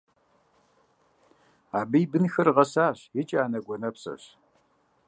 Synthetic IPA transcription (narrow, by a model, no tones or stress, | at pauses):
aːbɨjbɨnxɐrʁɐsaːɕjɪt͡ʃʼaːnɐɡʷɔnɐpsɐ̰ɕ